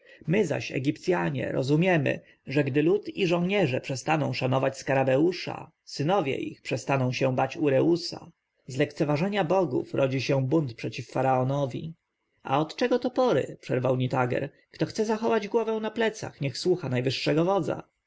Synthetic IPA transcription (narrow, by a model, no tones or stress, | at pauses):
mɘza̰ɕɛ̰ɡʲipt̪sʲjaɲɛ̰ɾɔ̰zumʲjɛmɘ̰ | ʐɛɡd̪ɘlut̪iʐɔ̃w̃ɲɛʐɛpʂɛst̪anɔ̃w̃ʂanɔvat͡ɕskaɾabɛuʂa̰ | sɘnɔvʲjɛ̰ʔḭxpʂɛst̪anɔ̃w̃ɕɛ̃bat͡ɕuɾɛusa̰ | zlɛkt̪sɛvaʐɛɲabɔɡṵfɾʔɔd͡ʑiɕɛ̃bunt̪̚pʂɛt͡ɕifːaɾaɔnɔvʲḭ | a̰ɔt̪t͡ʂɛɡɔt̪ɔpɔɾɘ̰pʂɛɾvawɲit̪aɡɛ̰ɾ | kt̪ɔxt̪sɛzaxɔvad͡ʑɡwɔvɛw̃naplɛt̪sa̰xɲɛxswuxanajvɘʂːɛɡɔvɔd̪za̰